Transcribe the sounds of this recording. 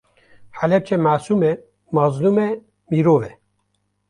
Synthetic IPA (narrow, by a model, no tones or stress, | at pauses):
ħalɛp̚t͡ʃʰɛmaːsuːmɛ | mɑːzluːmɛ | miːɾoːvɛ